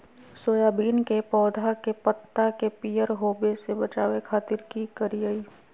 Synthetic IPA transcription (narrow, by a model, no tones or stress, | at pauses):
soːjaːbiːnkepɔːd̪ʱakepət̪ːakepiːjəɾɦoːbesebət͡ʃaːwekʰaːt̪ɪɾkikəɾiəiː